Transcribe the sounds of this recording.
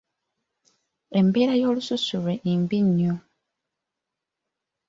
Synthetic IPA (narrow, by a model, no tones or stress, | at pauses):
e̞mbe̞ːɾajo̞ːlususuleʔimbiɲːo